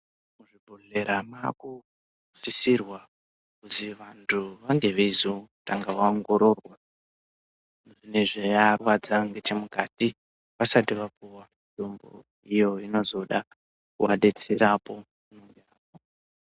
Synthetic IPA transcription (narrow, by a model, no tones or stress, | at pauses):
muʐibʱoɮe̞ɾama̰ku | sisirwa | kuziʋantʰuʋaŋɡe̞ʋeizotaŋɡawaoŋɡo̞ɾo̞rwa | ʐineʐejarwad͡zaŋɡe̞t͡ʃe̞mukati | ʋasatiʋapuwa | ndombo̰ | ijo̞ino̞zo̞ɗa | kwaɗe̞t͡seɾapo̞ | unoŋɡeaːpo